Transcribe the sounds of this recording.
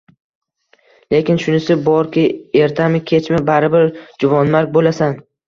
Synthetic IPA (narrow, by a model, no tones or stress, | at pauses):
le̞kʲɪnʃʊnɪsɪbɒɾkʲɪe̞ɾt̪ʰamɪkʲʰe̞t͡ʃmɪbaɾɪbɪɾd͡ʒʊvɒnmaɾk̚ʲbolasan